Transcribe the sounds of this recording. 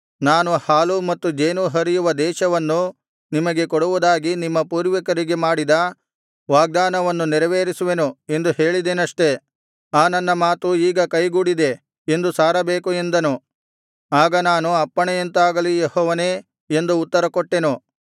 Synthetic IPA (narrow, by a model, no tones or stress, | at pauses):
naːnuhaːlumɐt̪ːud͡ʒeːnuɦɐɾijuʋɐd̪ɛːʃɐʋɐnːu | nimɐɡe̞kɔɽuʋud̪aːɡinimːɐpuːɾʋɐkɐɾiɡe̞maːɽid̪ɐ | ʋaːɡ̚d̪aːnɐʋɐnːuniɾɐʋeːɾisuʋe̞nue̞nd̪uhe̞ːɭid̪enɐʂʈe̞ | aːnɐnːɐmaːt̪uiːɡɐkɐjɡuːɽid̪e̞ | end̪usaːɾɐbeːkue̞nd̪ɐnu | aːɡɐnaːnuɐpːɐɳɛjent̪aːɡɐlijehɔːʋɐne̞ː | e̞nd̪uːt̪ːɐɾɐkɔʈːe̞nu